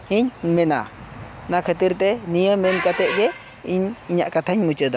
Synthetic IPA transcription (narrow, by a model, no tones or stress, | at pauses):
hiɲmɛna̰ | nakʰət̪iɾt̪ɛnijəmɛnkat̪ɛʔ̚ɡɛ | iɲiɲa̰ʔkat̪ʰaɲmut͡ʃəd̪a